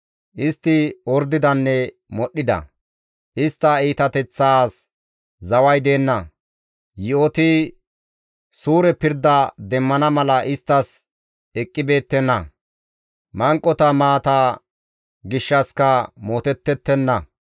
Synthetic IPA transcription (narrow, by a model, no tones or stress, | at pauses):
ʔɪst̪ːɪɔɾd̪ɪd̪ɐnːɛ | mɔɗːɪd̪ɐ̰ | ʔɪst̪ːɐiːt̪ɐt̪ɛt͡sːaːs | zɐwɐjd̪e̞ːnːɐ | jɪɔt̪ɪ | suːɾɛpɪɾd̪ɐd̪ɛmːɐnɐmɐlɐʔɪst̪ːɐs | ɛkʼːɪbe̞ːt̪ːɛnːɐ | mɐŋkʼːɔt̪ɐmaːt̪aː | ɡɪʃːɐskɐmoːt̪ɛt̪ːɛt̪ːɛnːɐ